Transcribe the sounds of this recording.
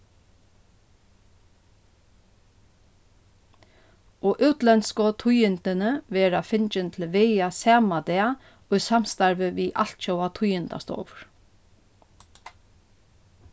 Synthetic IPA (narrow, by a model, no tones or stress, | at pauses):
ɔʔʉwt̪lɛnskɔt̪ʰʊjɪnt̪ɪnəʋɛːɾafɪnt͡ʃɪnt̪ʰɪlʋejasɛːmad̪ɛːa | ɔjsam̥st̪aɹʋəʋiːʔa̰l̥t̪ʃowat̪ʰʊjɪnd̪a̰st̪o̰ːʋɹ̥